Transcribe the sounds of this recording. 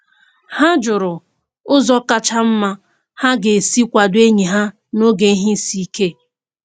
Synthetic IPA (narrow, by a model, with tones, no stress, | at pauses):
ha˦d͡ʒʊ˨ɾʊ˨ | ʊ˦zɔ˦ka˦t͡ʃa˦m̩˦ma˦ | ha˦ɡe˨si˦kʷa˨dʊ˦e˦ɲi˨ɦa˦ | no˦ɡe˨˦ɦi˦si˦ke˦